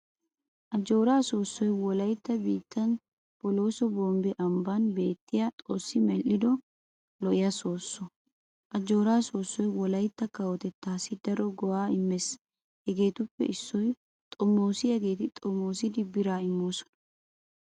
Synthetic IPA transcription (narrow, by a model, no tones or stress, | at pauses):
ʔɐd͡ʒːo̞ːɾaːso̞ːsːɔjwɔlɐjt̪ːɐbiːt̪ːɐn | pɔlo̞ːsɔboːmbɛʔɐmbanbe̞ːt̪ːɪjɐt̪ʼoːsːɪmɛlʔɪd̪ɔ | lɔʔɪjɐso̞ːsːɔ | ʔɐd͡ʒo̞ːɾaːso̞ːsːɔjwɔlɐjt̪ːɐkɐwɔt̪ɛt̪ːaːsɪd̪ɐɾɔɡɔwaːɪmːɛs | hɛɡe̞ːt̪ʊpːɛ̰ɪsːɔj | t̪ʼɔmːo̞ːsɪhɛɡe̞ːt̪ɪt̪ʼɔmːoːsɪd̪ɪbɪɾaːɪmːo̞ːsɔ̥nɐ̥